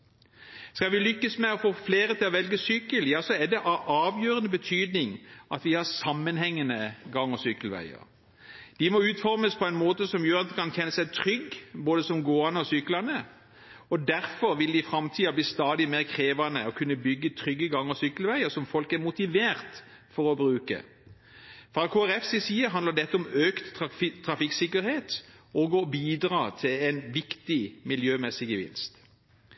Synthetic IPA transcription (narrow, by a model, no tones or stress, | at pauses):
skɑlʋɪlʏkːəsmɛɔfoːfleːɾət̪ʰɪlɔʋɛlɡəsʏkəljɑːsɔɛd̪ɛʔɑʔɑːʋjøːɾənəbət̪ʰyːd̪nɪŋʔɑt̪ʋɪhɑʁsɑmːənhɛŋːənəɡɑŋːəsʏkəlʋæ̰ɪə̰ɾ | d̪̥ɪmɔʉːt̪fɔɾməspʰɔæɪnmoːt̪əsɔmjøːʁɑt̪̚d̪əkʰɑnçɛnːəsæɪt̪ʰʁʏɡboːd̪əsɔmɡoːɑnəɔsʏklɑnə | ɔd̪æʁfɔɾʋɪld̪ɪfɾɑmt̪ʰiːɑbliːst̪ɑːd̪ɪmeːʁkʰʁeːʋɑnəɔkʰʉnːəbʏɡːət̪ʰʁʏɡːəɡɑŋːəsʏkːlʋæɪəsɔmfɔlkæɾmʊt̪ɪʋeːɾt̪ | fɔɾɔbɾʉːkə̰ | fɑlkʰoːæʁɛfsɪsiːəɦɑnlɑd̪ɛt̪ːəɔmøːkt̪ʰːʁɑfɪksɪkːəɾheːt̪oːɡɔbiːd̪ɾɑːt̪ʰɪlɛɪnʋɪkt̪ɪmɪljøːmɛsɪɡəʋɪ̰nst̪